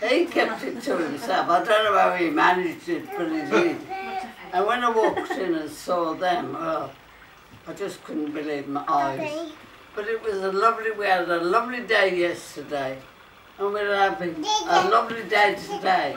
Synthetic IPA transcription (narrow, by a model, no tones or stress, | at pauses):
ikʰɛp̚tɨttʰəɪ̃msɛlˠfaɪdõʊ̃nːoʊhaʊimænɪd͡ʒdɪt̚b̥ʌɾizɪd | ə̃nwə̃naɪwɔk̚tɪ̃nə̃nsɔðɨ̃mo | aɪd͡ʒʌskʰʊdⁿn̩b̥ɨlivmaɪʔaɪz̥ | b̥ʌɾɨt̚wʌzəlʌvliwiəɾəlʌvlideɪjɛstə˞deɪ | ə̃nwiəvɪ̃ŋəlʌvlideɪtʰɨdeɪ